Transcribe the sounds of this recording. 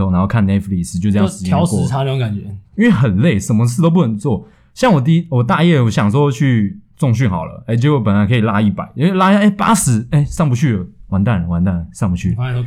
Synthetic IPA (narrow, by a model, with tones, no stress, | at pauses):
o˥˨na˧˥nxo˥˧ʊkʰa˥˨nːɛ˥tfli˥˩s̩˧˨t͡ɕjo˥˧ʈ͡ʂɤ˧jɑ˥˧ŋsjɑ˥˦ʊkɔ˥t̪ʰa˥me˧˥jo˧ka˨˩nt͡ɕɥɛ˧˦i˥nwe˥˩ɪxə˨˩nle˥˩ɪʂə˨˦nmə˦s̬ʰɹ̩˥˧o˥ʊpu˥˩nə˨˩˦nt͡swɔ˥˩ | ɕjɑ˥˩ŋwɔ˨˩t̪̬i˥˧˥wɔ˨˩t̪a˥˧jɛ˥˩wɔ˨˩ɕjɑ˨˩ŋswɔ˥˦t͡ɕʰy˥˧t͡sʊ˥˧ŋɕ̬y˥˩nxɑ˨˩ʊlə̰˦e˥˩ɪt͡ɕjo˥˧jpə˨˩nla˦˥nkʰə˧˥i˨˩la˦˥i˥˩pa˨˩˦ɪo˥we˥˧la˥i˥˩a˨˩e˥ɪpa̰˥sɻ̩˧˦e˥˩ɪsɑ˥˧ŋp̬u˧t͡ɕʰy˥˩ə˨˩wa˨˦nt̪a˥˩n˩wa˧˦nt̪a˥˩nsɑ˥˨ŋpu˦t͡ɕʰy˥˩